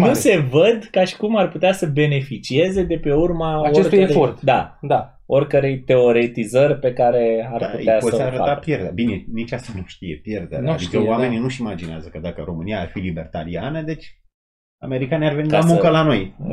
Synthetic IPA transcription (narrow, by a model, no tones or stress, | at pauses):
nuse̞vəd̪kaʃi̥kumarput̪easəbe̞ne̞fit͡ʃie̞ze̞d̪e̞pe̞urmaaoerkt̪ujeɾeort̪d̪ad̪a | o̞rkəɾe̞jt̪e̞o̞ɾe̞t̪izərʲpe̞kaɾe̞arput̪easoəaɾəta̰apjerd̪abinenit͡ʃast̪anuʃt̪ijepjerd̪ea̰ad̪ikəwame̞ninuʃimad͡ʒineazəkəd̪akəɾo̞mɨniaːrfilibe̞rt̪alianəd̪e̞t͡ʃʲ | a̰me̞ɾikaneiarveilamũŋkəlano̞j